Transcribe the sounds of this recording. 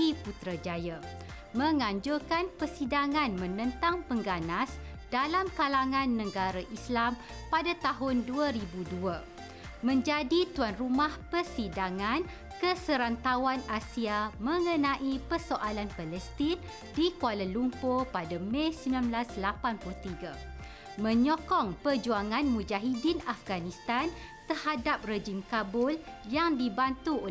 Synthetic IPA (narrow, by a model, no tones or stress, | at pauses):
diput̪ɾad͡ʒaja | mə̃ŋãɲd͡ʒʊrkanpərsidaŋãnmə̃nə̃nt̪aŋpəŋɡanas | d̥alamkalaŋãnːə̃ɡaɾaʔislam | padat̪aɦʊnduaɾibudua | mə̃ɲd͡ʒadit̪uanrumahpərsidaŋãn | kəsəɾant̪awanasiamə̃ŋə̃nãʔipərsoʔalanpalɛst̪in | dikualalumpopadamẽsimbilanblaslapanplut̪iɡa | mə̃ɲɔkɔŋpərd͡ʒuaŋãnmũd͡ʒaɦidinafɡanist̪an | t̪ərhadap̚red͡ʒimkabʊljaŋdibant̪uo